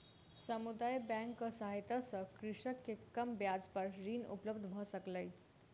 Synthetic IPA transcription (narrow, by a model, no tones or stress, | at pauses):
səmud̪ajbæ̃ŋkəsaɦit̪asəkɾiʂəkːekːəmbjad͡zpəɾɾiːnṵpləbd̪ʱbʱəsəkləj